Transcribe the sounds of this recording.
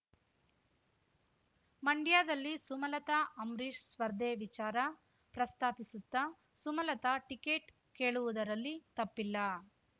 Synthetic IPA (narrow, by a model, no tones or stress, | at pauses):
mɐɳɖijaːd̪ɐlːisumɐlɐt̪aɐmɾiːʂsʋɐɾd̪ʱeːʋit͡ʃaːɾɐ | pɾɐst̪aːpisut̪ːɐ | sumɐlɐt̪ɐʈikeːʈ | keːɭuʋud̪ɐɾɐlːit̪ɐpːilːɐ